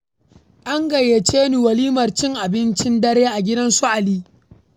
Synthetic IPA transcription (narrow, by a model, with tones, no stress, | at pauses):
ʔa˦ŋɡɐ˨je˨t͡ʃeː˦niː˨wɐ˨liː˦mɐ˨rt͡ʃɪ˦ŋʔa˨bɪ˦nt͡ʃɪ˦ndɐ˦ɾeː˦ʔa˨ɡʲɪ˦dɐ˦nsʊ˦ʔa˨liː˦